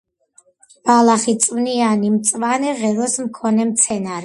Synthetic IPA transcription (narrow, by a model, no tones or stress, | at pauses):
b̥alaχit̪sʼvnianimt̪sʼvanɛʁɛɾɔsmkʰɔnɛmt̪sʰɛnaɾɛ